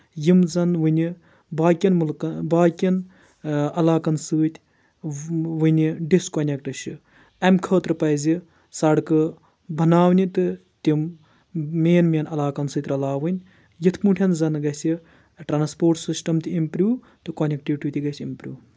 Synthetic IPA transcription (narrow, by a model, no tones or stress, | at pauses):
jimzɐnʋɨnʲi | baːkʲɐnmɨlkɐbaːkʲɐn | ɐlaːkɐnsɨːt̪ʲ | ʋɨnʲiɖiskonʲekʈɨʃɨ | ɐmkʰəːt̪ɾɨpɐjzʲi | sɐɽkɨ | bʱɐnaːwnʲit̪ɨ | t̪ʲim | mʲeːnmʲeːnɐlaːkɐnsɨːt̪ʲɾɐlaːʋɨnʲ | jit̪ʰmuɳʈʰʲɐnzɐnɡɐsʲi | ʈɾaːnspoːɾʈsɨsʈɐmt̪iimpɾʲuː | t̪ɨkonʲek̚ʈiʋʲʈʲiʋʲt̪ʰʲiɡɐsʲimpɾʲuː